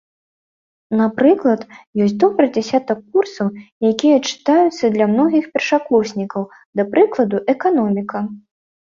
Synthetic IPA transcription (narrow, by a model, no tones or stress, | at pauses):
napɾɨklˠɐt̪jɔsʲt̬ʲd̪ɔbɾɨd͡zʲasʲat̪ɐkːursɐwjakʲijɐt͡ʂɨ̥t̪ajut̪sːɐd̪lʲɐmnɔɣʲixpʲɛrʂaklˠɔsʲnʲikɐw | d̪ɐpɾɨklˠɐd̪uʔɛkanɔmʲikɐ